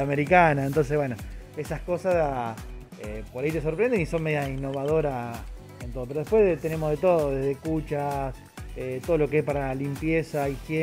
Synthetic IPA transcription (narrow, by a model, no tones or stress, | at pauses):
ameɾikanaent̪o̞ns̬eβwenoesasko̞sas | epoɾait̪e̞s̬oɾpɾend̪eniso̞nmejiainːo̞βaðo̞ɾa | ent̪oðo̞peɾoðepwe̞st̪ene̞moɦðet̪oðoðezðekut͡ʃas | et̪oð̞olo̞keespaɾalimpjesaixje